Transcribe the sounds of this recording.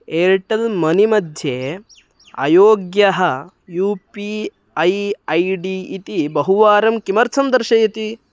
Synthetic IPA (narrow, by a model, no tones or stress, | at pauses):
eːɾʈɐlmɐnimɐd̪ʱje | ɐ̰joːɡjɐɦɐ | juːpi | ɐjɐjɖiːt̪ibɐɦuʋaːɾɐmkimɐɾt͡ʃʰɐnd̪ɐɾʃɐjit̪i